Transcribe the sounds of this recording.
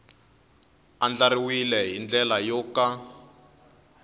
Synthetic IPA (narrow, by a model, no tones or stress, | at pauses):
and͡ɮaɾiwilɛɦind͡ɮɛlajɔka